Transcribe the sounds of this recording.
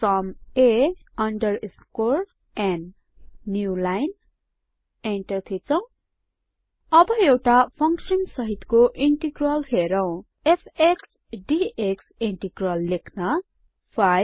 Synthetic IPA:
sʌmeʌɳɖʌrskor | enː | julajn | eɳʈʌrt̪ʰit͡sʰʌ̃w̃ | ʌbʌewʈapʰʌŋksʌnsʌɦit̪koʔiɳʈiɡrʌlɦeɾʌw̃ | epʰeks | ɖieksiɳʈiɡrʌlːekʰnʌ | pʰaj

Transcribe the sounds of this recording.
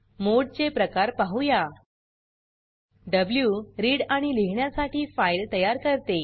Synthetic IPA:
moɽt͡ɕepɾəkaɾpaɦuja | ɖəbljuɾiːɽaɽ̃iliɦɳjasaʈiːfailt̪əjaɾkəɾt̪e

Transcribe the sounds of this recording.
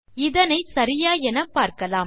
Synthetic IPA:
ɪðɐnɐɪsɐɾɪjaːɛnɐpːaːɾkɐlaːm

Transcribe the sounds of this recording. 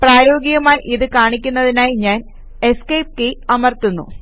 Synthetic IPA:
praːjo̞ːɡiɣɐmaːjʔiðɨkaːɳikʲːunːɐðinaːjiɲaːn | eskejp̚keɐmɐrt̪unːṵ

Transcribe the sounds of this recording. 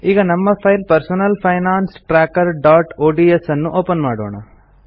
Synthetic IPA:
iːɡɐnɐmːɐpʰɐjlpɐɾsunɐlpʰɐjnaːnsʈɾaːkɐɾɖaːʈoːɖiesɐnːuʔoːpɐnmaːɽo̰ːɳɐ̰

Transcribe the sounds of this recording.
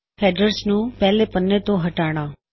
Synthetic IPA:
fʰɛɖəɾsnũpɛɦlepənːet̪oɦəʈaɽ̃ã

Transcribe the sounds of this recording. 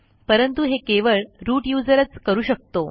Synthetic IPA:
pəɾənt̪uɦekeʋəɭɾuːʈjud͡zəɾət͡skəɾuːɕək̚t̪o

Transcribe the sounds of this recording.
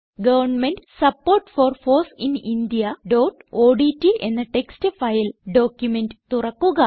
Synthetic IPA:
ɡɐʋɐrɳmenɖsɐpːo̞ːrʈfoːrfoːsinind̪ijɐɖoːʈoːɖitːiʔe̞̰nːɐʈe̞kstɨfɐjilɖo̞ːkjumendɨt̪urɐkːuɣɐ

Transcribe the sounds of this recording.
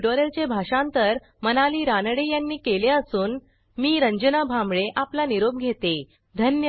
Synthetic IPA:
ɖoɾelt͡ɕebʱaʂãnt̪əɾ | mənaliːɾanɽejanːiːkeleəsuːn | miːɾəɲd͡ʑənabʱãmbɭeʔaplaniɾob̚ɡʱet̪e | d̪ʱənjə

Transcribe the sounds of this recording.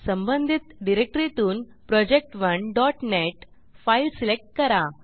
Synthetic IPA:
sə̃mbənd̪ʱit̪ɖiɾek̚ʈɾit̪uːn | pɾɔd͡ʑek̚ʈʋəɳɖɔʈneʈ | failsilek̚ʈ̚kəɾa

